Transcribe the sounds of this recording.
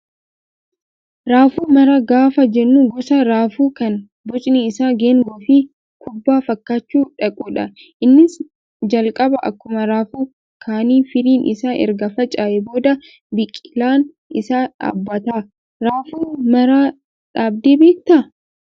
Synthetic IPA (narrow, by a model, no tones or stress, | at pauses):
ɾaːfuːmɐɾɐɡaːfɐd͡ʒɛnːuɡɔsɐɾaːfuːkɐn | bɔt͡ʃʼniɪsaːɡeːŋɡɔfɪ | kʊbːaːfɐkːaːt͡ʃːuːᶑɐkʼuːᶑɐ | ʔɪnːɪs | d͡ʒɐlkʼɐbɐʔɐ̰kːʊmɐɾaːfuː | kʰaːniːfɪɾiːnʔɪ̰saːʔɛ̰ɾɡɐfɐt͡ʃʼaːʔɛbo̞ːd̪ɐ | bɪkʼːɪlaːn | ʔɪsaːᶑa̰ːbːɐt̪aː | ɾaːfuːmɐɾaː | ᶑaːbd̪eːbe̞ːk̚t̪ɐ